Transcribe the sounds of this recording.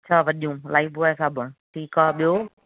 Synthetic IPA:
ɐt͡ɕʰaːʋɐɗijũːlaːɪfuaesaːbʱəɽ̃ʈʰiːkaːɓijoː

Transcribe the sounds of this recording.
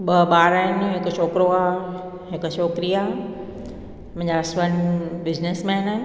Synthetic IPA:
ɓəɓaːɾaːɪnɦɪkʃoːkɾoa | ɦɪkʃoːkɾija | mɐ̃ɦɲd͡ʑasʋənbɪd͡ʑnesmɛ̃ːnan

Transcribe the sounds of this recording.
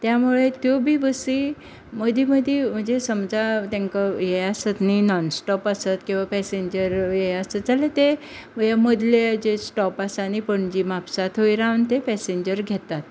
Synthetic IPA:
t̪jamuɭet̪jobʱiːʋəsi | məd̪ʱiməd̪ʱjem̤əɳd͡zesəmd͡zat̪ãŋkəjeasət̪ninɔnsʈɔpasət̪kĩw̃ʋapɛseɲd͡ʑəɾjeasəd͡zalet̪e | jaməd̪ʱled͡ʑesʈɔpasaːnipəɳd͡ʑimapsat̪ɦojɾawnt̪epɛseɲd͡ʑəɾɡʱet̪at̪

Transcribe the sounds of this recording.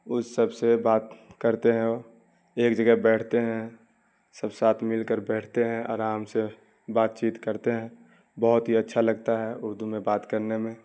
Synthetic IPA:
ʊssəbsebaːt̪kəɾt̪eɦɛ̃o | eːkd͡ʒəɡɛɦbɛːʈʰt̪eɦɛ̃ | səbsaːt̪ʰmɪlkəɾbɛːʈʰt̪eɦɛ̃ɔ̰ːɾaːmse | baːt̪̚t͡ʃiːt̪kəɾt̪eɦɛ̃ | bəɦʊt̪ɦiətːʃʰaləɡt̪aɦɛʊɾd̪umẽbaːt̪kəɾnemẽ

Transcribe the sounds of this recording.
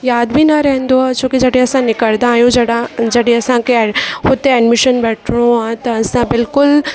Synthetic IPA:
jaːd̪bʱinɐɾɛɦɛ̃nd̪oɦat͡ʃõːkid͡ʒɐɽẽɐsãnɪkəɭd̪ãːjũd͡ʒɐɽad͡ʒɐɽĩɐsãkehʊt̪eɛɖmɪʃənbɛːʈʰɽ̃õaːt̪ɐːsãbɪlkʊl

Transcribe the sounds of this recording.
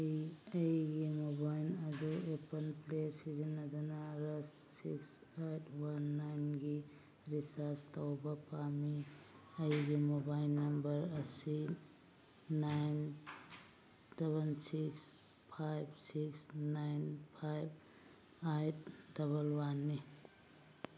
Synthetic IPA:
jɐjɡimobajnɐduepɐnplesizinːɐdanaɾɐsːḭks | ajtʰwanːajnɡi | ɾisastawbɐpamiɐjɡimobajlːɐmbɐɾɐsi | najn | seβɐnsiks | pʰajb̚siksnajnpʰajb̚ | ajt̚dɐβɐlwanːi

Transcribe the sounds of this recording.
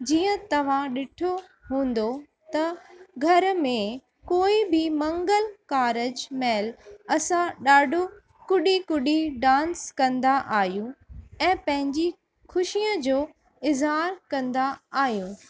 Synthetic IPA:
d͡ʑiːə̃t̪ɐʋ̤ãɗɪʈʰo | ɦũːnd̪o | t̪ɐɡʱɐɾmẽ | koːibɪmɐ̃ŋɡəlkaːɾəd͡ʑmeːlɐsãɗaːɖʱo | kʊɗikʊɗiɖãːnskɐ̃nd̪aʔaːɦijũɛ̃ːpɐ̃ɦɪ̃ɲd͡ʑi | xʰʊʃijə̃d͡ʑoː | ɪzɦaːɾkɐ̃nd̪aaːɦijũː

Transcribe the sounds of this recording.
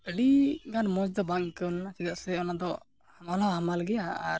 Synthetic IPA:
əɽiɡanmɔd͡ʒd̪ɔbaŋkɔnsid̪aʔsɛɔnad̪ɔ | hmanaɦamalɡɛjaa̰ɾ

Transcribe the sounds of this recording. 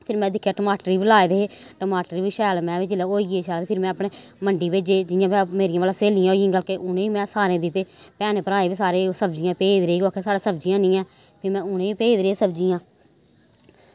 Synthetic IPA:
pʰɪɾmɛ̃ːd̪ɪkʰːjaːʈəmaːʈəɾiːbilaːed̪eːeːʈəmaːʈəɾiːʋiːʃɛːlmɛ̃ːʋɪd͡ʒɪleːoːiɡeːʃɛːlaːt̪eːpʰɪɾmɛ̃ːəpɳeːməɳɖiːʋed͡ʒeːd͡ʒɪnjãːpːmeːɾijãːʋaːlãːseːlɪjãːõːɡəlkeːʔʊnẽːiːmɛ̃ːsaːɾẽːd̪ɪt̪ːeːpɛːneːpəɾaːẽːʋiːsaːɾeːsəbd͡ʒɪjãːpeːd̪ɾeːiːɡoːkʰeːsaːɽeːsəbd͡ʒɪjãːnɪ̃ːãː | pʰɪɾmɛ̃ːʊnẽːiːpeːd̪ɾeːsəbd͡ʒijãː

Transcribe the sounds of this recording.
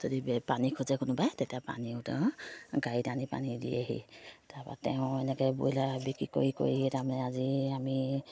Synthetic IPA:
zodibɛpanikʰʊzɛkʊnʊbajtɛtapa̰niʊtɛ̃ɡaitanipa̰nidḭa̰ɦḭtapa̰tɛʊ̃ɛnɛkɛbojlabikɹiko̰ɹiko̰ɹiitamanɛaziami

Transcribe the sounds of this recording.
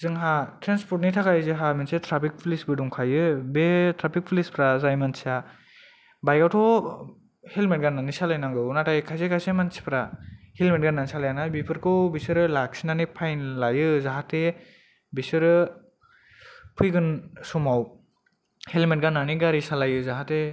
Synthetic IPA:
zɯŋɦatʰɾenspʰɔɾt̬̚nitʰakajzɯɦamensetʰɾapʰik̚pʰlisbɯduŋkʰajɯbetʰɾapʰik̚pʰlispʰɾazajmansa | bajɡawtʰɔw | helmet̚ɡanːanisalajnaŋɡɯunatajkʰajsekʰajsemansi̥pʰɾahelmet̚ɡanːanisalajanajbipʰɯɾkʰɯwbisɯɾɯlak̚sinanipʰajnlajɯzaɦate | bisɯɾɯ | pʰɯjɡɯnsɔmaw | helmet̚ɡanːaniɡaɾisalajɯzaɦate

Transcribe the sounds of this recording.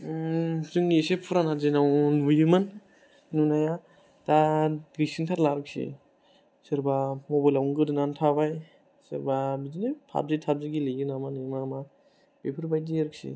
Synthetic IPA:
zɯŋesepʰuɾanazinawnbujɯman | nunaja | daɡisiŋtʰatlaɾɯk̚sḭ | sɯɾbamobajlawnɡɯdɯnantʰabaj | sɯɾbabizinipʰa̰b̚zitʰab̚ziɡilijɯnamanemama | b̥epʰɯɾbajdieɾɯk̚sḭ

